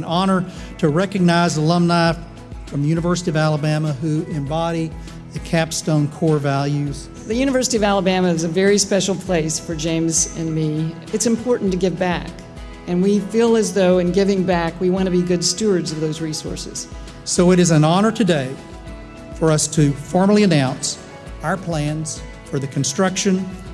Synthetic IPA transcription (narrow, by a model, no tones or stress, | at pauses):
nɑnə˞ | ɾɨɹɛkɨɡ̚naɪzəlʌ̃mnaɪ | fɹʌ̃mðjʉnɨvɜ˞sɨɾiʌvælˠəbæməɦʉɪ̃mbɑɾi | ðɨkʰæpstõʊ̃nkʰɔɹvælˠjʉz̥ | ðɨjʉñɨvɜ˞sɨɾiʌvælˠəbæmɨɨzɨvɛɹispɛʃl̩ˠpʰl̥eɪsfə˞d͡ʒẽɪ̃mzɨ̃nmi | ɨtsɨ̃m̩pʰɔɹʔn̩tɨɡɪvbæk | ɨ̃nwifilˠɨzðoʊɨ̃nɡɪvɪ̃ŋbækwiwɑ̃ñɨbiɡʊdstʉə˞dzʌvðoʊzɹisɔ̰ɹsɨ̰z̥ | soʊɨɾɨzɨ̃nɑnə˞ɾʰɨdeɪ | fə˞ʌstʰɨfɔɹml̩ˠiɨnãʊ̃ns | aʊə˞pʰl̥æ̃nz̥ | fə˞ðɨkʰn̩stɹ̥ʌkʃɨ̃n